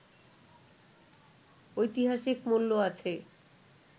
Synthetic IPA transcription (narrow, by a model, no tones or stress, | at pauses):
ojt̪iɦaʃikmolːoat͡ɕʰe